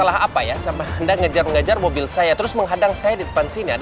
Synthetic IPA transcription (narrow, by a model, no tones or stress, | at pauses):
əlaɦapajasamaəndaŋəd͡ʒarŋad͡ʒarmobɪlsajat̪əɾʊsməŋɦadaŋsajadidəpansinia̰d